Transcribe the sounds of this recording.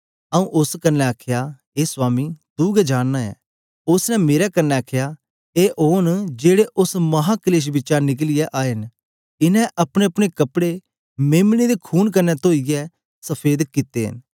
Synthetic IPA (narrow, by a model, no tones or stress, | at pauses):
ɐũʔʊskənːɛakʰja | eːsʊaːmid̪uːɡɛd͡ʒaːnːaɛ̰ː | ʊsnɛmeːɾɛkənːɛakʰja | eːʔoːnd͡ʒeːɽeʔʊsmɐɦakəleːʃ̬bɪt͡ʃaːɾnɪk̬lɪjɛʔaːɦɪn | ɪnɛ̃ʔɐpɽ̃eəpɽ̃ekɐpɽe | meːmɽ̃id̪ekʰuːnkənːɛt̪oːijɛ | səpʰeːd̪kɪt̪ːeɦɪ̰n